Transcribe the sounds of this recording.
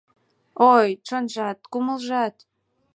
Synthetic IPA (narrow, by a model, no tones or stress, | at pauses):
ojʈ͡ʂə̆nʒɑt̪kuməlʒɑt̪